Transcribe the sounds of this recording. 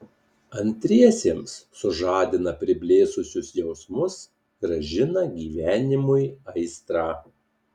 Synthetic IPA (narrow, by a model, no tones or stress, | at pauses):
ɐnʲt̪ʲɾʲiɛsʲeːmsːʊʒɑːd̪ʲɪnɐpʲɾʲɪbʲlʲeːsʊsʲʊsjɛʊsmʊs | ɡ̥ɾɐʒʲɪnɐɡʲiːʋʲæːnʲɪmʊɪɐɪst̪ɾɑː